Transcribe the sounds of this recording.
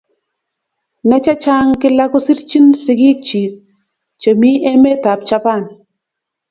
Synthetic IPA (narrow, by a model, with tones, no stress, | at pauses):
nɛ˦t͡ʃa˦t͡ʃa˦ŋkɪ˦la˦ko˦si˦ɾt͡ʃi˦nsɪ˨ɡi˦k̚t͡ʃi˨ | t͡ʃə˨mi˦ʔe˦me˦ta˨p̚t͡ʃa˦pa˦˨n